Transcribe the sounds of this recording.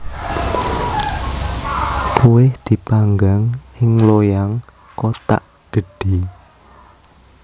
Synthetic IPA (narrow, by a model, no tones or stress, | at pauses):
kuwɪhd̪̥i̤paŋɡaŋɪŋlojaŋ | kot̪a̰ʔ | ɡ̥ə̤ɖ̥i